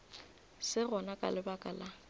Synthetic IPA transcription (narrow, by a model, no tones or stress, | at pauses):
sɪɣɔnakʼa̰lɪbakʼala